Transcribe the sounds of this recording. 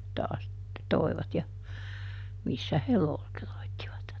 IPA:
tɑːs toi̯ʋɑt jɑ misːæ he loːteroitːiʋɑt

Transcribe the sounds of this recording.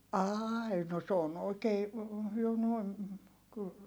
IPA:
ɑːi no s oːn oikeː jo noi̯n kyl

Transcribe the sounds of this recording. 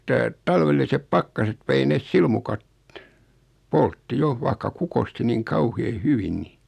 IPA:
etːæ tɑlʋelːisep pɑkːɑset ʋei nes silmukɑt poltːi jo ʋɑikːɑ kukosti niːŋ kɑuheː hyʋin ni

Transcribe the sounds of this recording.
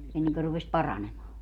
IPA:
enːeŋkø rupes pɑrɑnemɑː

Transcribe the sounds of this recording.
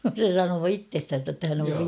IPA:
se sɑnoː itːestæn̞sæ tːæ hæn oʋ

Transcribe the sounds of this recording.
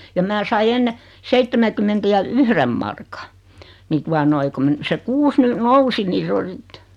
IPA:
jɑ mæː sɑi enːe seitːemækymːentæ jɑ yhrem mɑrkɑ ni tuɑ noi ku mə se kuːs ny nousi ni s o sit

